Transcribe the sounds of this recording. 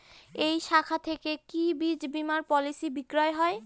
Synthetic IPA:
ejʃakʰat̪ʰekekibid͡ʑbimaɾpɔlisibikɾɔeɦɔe

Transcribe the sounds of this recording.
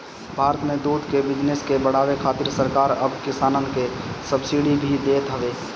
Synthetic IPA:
bʱaːɾət̪mẽd̪uːd̪ʱkebɪd͡ʒneskebəɽ̤aːʋekʰaːt̪ɪɾsəɾkaːɾəbkɪsaːnə̃nd̪ʱkesəbsiɽibʱid̪eːt̪ɦəʋeː

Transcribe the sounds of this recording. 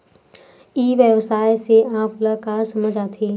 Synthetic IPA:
iːʋjəʋsaːjseãːpləkaːɾsɐməd͡ʒʱaːt̪ʰiː

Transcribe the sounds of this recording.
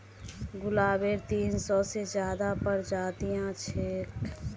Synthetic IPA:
ɡʊlaːbeɾt̪iːnsɔsed͡ʒjaːd̪apəɾd͡ʒaːt̪ijãt͡ʃʰek

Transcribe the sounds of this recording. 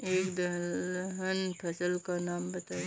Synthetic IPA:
eːkd̪ɐɦənpʰɐsəlkanaːmbɐt̪aː

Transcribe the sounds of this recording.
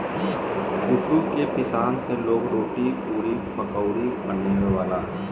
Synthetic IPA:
ʊd̪ukepɪsaːnseloːɡɾoːʈipuːɾipɐkəʊɾibənːeɡʋaːlaː

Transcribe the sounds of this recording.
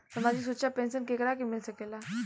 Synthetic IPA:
səmad͡ʑiːs̬uɕapensənkekɾak̬imilsəkela

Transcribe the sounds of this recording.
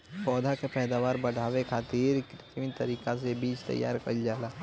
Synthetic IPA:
pɔːd̪ʱakepɛːd̪aːʋaːɾbɐɽ̤ʱaːʋekʰaːt̪iːɾkɾtiʋit̪ɐɾiːkasebiːt͡ʃt̪ɐ̰jːa̰ːɾkə̰ld͡ʒaːlaː

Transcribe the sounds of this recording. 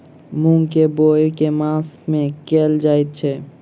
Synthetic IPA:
mũŋkebojkemãsmẽkeːld͡ʒaːit̪̚t͡ʃʰɛ

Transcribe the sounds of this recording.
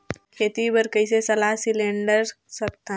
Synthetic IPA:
kʰeːt̪ibəɾkəɪs̬esɐlaːɦsɪlẽɳɖəɾ | sɐk̚t̪a

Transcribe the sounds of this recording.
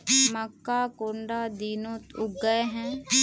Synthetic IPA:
məkːaːkoːɳɖaːd̪iːnoːt̪ʊɡːəeɦɛ̃ː

